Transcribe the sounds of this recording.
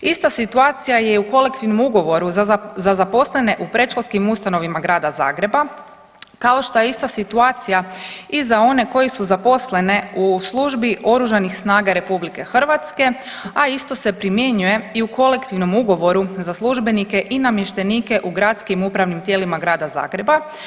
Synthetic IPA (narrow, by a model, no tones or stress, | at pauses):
ist̪asit̪uaːt̪sijajeuko̞le̞kt̪iʋno̞muɡo̞ʋo̞ɾuzzazapo̞sle̞ne̞ʔupɾe̞t͡ʃloskimust̪ano̞ʋimaɡɾaːd̪aza̰ːɡɾe̞ba | kao̞ʃt̪o̞jeist̪asit̪uaːt̪sijaizao̞ne̞ko̞jesuzapo̞sle̞ne̞uslˠuʒbiʔo̞ɾuʒanixsnaːɡaɾe̞publike̞xr̩ʋat̪ske̞ | aist̪o̞se̞pɾimje̞ɲuje̞iuko̞le̞kt̪iʋno̞muɡo̞ʋo̞ɾuzaslˠuʒbe̞nike̞ʔinamjeʃt̪e̞niːke̞ʔuɡɾat̪skimupɾaʋnimt̪je̞ːlimaɡɾaːd̪aza̰ːɡɾe̞ba